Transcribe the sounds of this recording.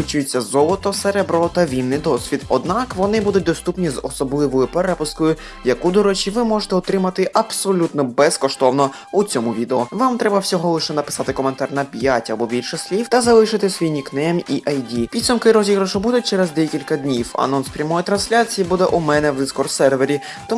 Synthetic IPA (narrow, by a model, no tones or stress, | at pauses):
ɪt͡ʃujet͡sʲːɐzɔlˠɔt̪ɔseɾɛbɾɔt̪ɐʋʲinʲːɪjd̪ɔsʲʋʲid̪ɔd̪nɑkʋɔnɪbud̪ʊt̚ʲd̪ɔst̪upnʲizɔsɔblˠɪʋɔjʊpeɾɛpʊskɔjʊ | jɐkud̪ɔɾɔt͡ʃiʋɪmɔʒet̪ɛɔt̪ɾɪmɐt̪ɪʔɐb̥sɔlʲut̪nɔbɛskɔʃt̪ɔwnɔ | ut͡sʲɔmʊʋʲid̪eɔʋamt̪ɾɛbɐwsʲɔɦɔlˠɪʃɛnɐpɪ̥sɑt̪ɪkɔme̞nt̪ɑrnɐpʲjatʲɐbɔbʲilʲʃɛsʲlʲiwt̪ɐzɐlˠɪʃɪt̪ɪsʋʲijnʲiknɛmʲiʔɐjd̪ʲipʲid̪sʊmkɪɾɔzʲiɦɾɐʃɔbud̪ʊt̚ʲt͡ʃɛɾɛzd̪ɛjkʲilʲkɐd̪ʲnʲiwɐ̰nɔnspɾʲɐmɔjit̪ɾɐnsʲlʲat͡sʲijibud̪ɛʔumɛnɛwd̪ɪskɔrsɛrʋe̞ɾʲi | t̪ɔ